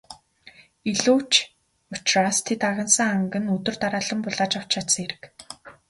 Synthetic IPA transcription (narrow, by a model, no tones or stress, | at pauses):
iɮuːwt͡ɕ | ɔt͡ɕrast̪ʰet̪aɣʲə̆nsə̆ŋaŋɡə̆nɵt̪ɵ̆rt̪aɾaːɮə̆mpʊɮaːt͡ɕaw̥t͡ɕʰat̪sə̆ŋeɾɘ̆k